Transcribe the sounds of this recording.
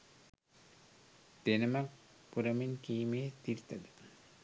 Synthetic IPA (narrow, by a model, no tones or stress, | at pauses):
d̪̥enɐmɐk | puɾɐminkiːmeːt̪iɾt̪ɐd̪ɨ̥